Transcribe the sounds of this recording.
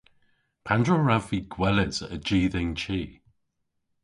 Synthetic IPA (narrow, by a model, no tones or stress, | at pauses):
pʰandɹəɹaviɡ̥wɛlɪz̥əd͡ʒiːðɪ̃ŋt͡ʃʰiː